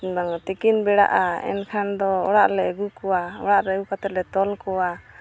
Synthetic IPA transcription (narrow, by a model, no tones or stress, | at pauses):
baŋt̪ikinbɛɽa̰ʔaɛ̰nkʰand̪ɔɔɽaʔlɛɡukɔwaɔɽaʔlɛɡukat̪ɛt̪̚lɛt̪ɔlkɔwa